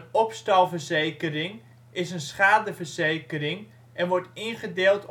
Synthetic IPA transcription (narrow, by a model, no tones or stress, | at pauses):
nɔpstɑlˠvərzejkərɪŋ | ɪsənsχaːdəvərz̥ejkəɾɪŋ | ɛnʋɔɹtɪnχədeːlˠt